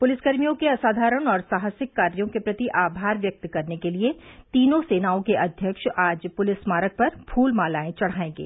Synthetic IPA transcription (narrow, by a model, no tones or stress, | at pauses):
pʊlɪsɡɐɾmijõkeɐsaːd̪ʱaːɾəɽ̃ɔːɾsaːɦəsɪkːaːɾjõkepɾɐt̪iʔaːbʱaːɾʋjɐk̚t̪kɐɾnekeliet̪iːnõseːnaːõkeʔɐd̪ʱjəkʃaːd͡ʒpʊlɪsmaːɾək̚pɐɾpʰuːlmaːlaːẽt͡ʃɐɽ̤aːẽːɡḛː